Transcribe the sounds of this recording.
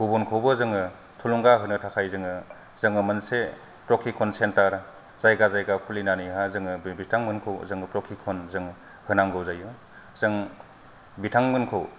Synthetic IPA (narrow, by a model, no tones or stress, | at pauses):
ɡ̥ubɔnkʰawbɯzɯŋɯ | tʰuluŋɡaɦɯnɯtʰakʰajzɯŋɯ | zɯŋɯmɯnse | pɾɔkʰikʰːɔnsentaɾ | z̥ajɡazajɡakʰulinanijɦazɯŋɯbitʰaŋmɯnkʰɯwzɯŋɯpɾɔkʰikʰɔnzɯŋ | hɯnaŋɡɯwzajɯ | z̥ɯŋ | bitʰaŋmɯnkʰɯw